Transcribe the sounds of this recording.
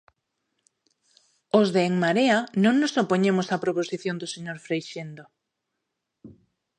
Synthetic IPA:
ozðeːŋmaɾeanõŋnosopoɲemosapɾoposiθjond̪oseɲoɾfɾejʃend̪o

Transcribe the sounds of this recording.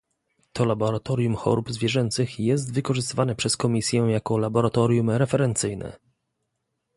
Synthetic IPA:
t̪ʰɔlabɔɾat̪ɔɾjumxɔ̰ɾubzvʲjɛʐɛnt̪sɘxjɛst̪vɘkɔʐɘst̪ɘvanɛpʂɛskɔmʲisʲjɛjakɔlabɔɾat̪ɔɾʲjumɾɛfɛɾɛnt̪sɘjnɛ̰

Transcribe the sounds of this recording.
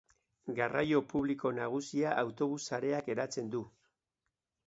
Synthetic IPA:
ɡarajo̞puβliko̞naɣ̞usiaʔawt̪o̞β̞usːaɾe̞ake̞ɾat͡se̞nd̪u

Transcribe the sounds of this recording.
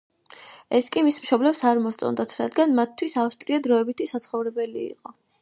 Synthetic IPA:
ɛskʼimismʃɔblɛpsaɾmɔst̪sʼɔ̰nd̪at̪ʰɾad̪ɡanmat̪ʰːwisafst̪ʼɾiɔd̪ɾɔɛbit̪ʰisat̪sʰχɔvɾɛbɛlḭḭqʼɔ

